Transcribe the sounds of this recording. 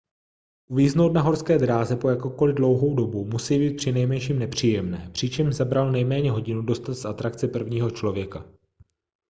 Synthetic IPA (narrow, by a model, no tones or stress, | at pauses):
ʔuviːzno̞wt̪naɦo̞ɾskɛːd̪ɾaːzɛpo̞jakowko̞lɪdlo̞wɦo̞wdo̞bumusijbiːt̪̚pr̥ɪnɛjmɛnʃiːmnɛpr̝̥iːjɛmnɛːpr̝̥ɪt͡ʃɛmʒzabɾalnɛjmɛːɲɛɦo̞ɟɪnudo̞st̪at̪sat̪ɾakt͡sɪpr̩vɲiːɦo̞t͡ʃlo̞vjɛka